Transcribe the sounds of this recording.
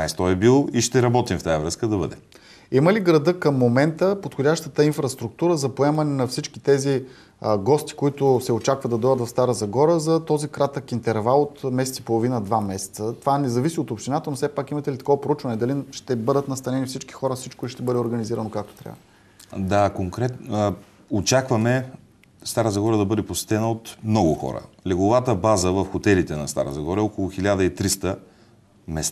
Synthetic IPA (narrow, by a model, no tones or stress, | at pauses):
na̰jst̪ɔɛbilˠoiʃt̪ɛɾɐbɔt̪imft̪ajəvɾɤskəd̪ɐbə̰d̪ɛ̰ | iməliɡɾɐd̪ɤkəmːomɛnt̪əpot̪xʊdʲaʃt̪ət̪əinfɾɐst̪ɾuk̚t̪uɾəzɐpoɛmɐnɛnɐfsit͡ʃk̟it̪ɛzi | ɡɔst̪i̥koit̪ʊsɛot͡ʃakvəd̪ɐd̪ɔjət̪vɐfst̪aɾəzɐɡɔɾəzɐt̪ɔzikɾat̪əkint̪ɛɾvalˠot̪mɛsɛt̪sipolˠovinəd̪vamɛsɛ̥t̪sət̪ovaɛnɛzɐvisiot̪opʃt̪inat̪ənofsɛpakimɐt̪ɛlit̪ɐ̥kɔvɐpɾout͡ʃvɐnɛd̪ɐlinʃt̪ɛbɤd̪ət̪nɐst̪ɐnɛnifsit͡ʃki̥xɔɾəfsit͡ʃkoiʃt̪ɛbɤd̪ɛoɾɡəniziɾənokak̚t̪o̥t̪ɾʲa̰və | d̪akoŋkɾɛt̪n | ot͡ʃakvɐmɛ | st̪aɾəzɐɡɔɾəd̪ɐbɤd̪ɛposɛ̥t̪ɛnəot̪mnɔɡʊxɔ̰ɾə̰ | lʲɛɡʊvat̪əbazəvɐfxot̪ɛlit̪ɛnɐ̰st̪a̰ɾə̰zɐɡɔɾəɛokʊlˠʊxilʲad̪əit̪ɾist̪ə | mɛst̪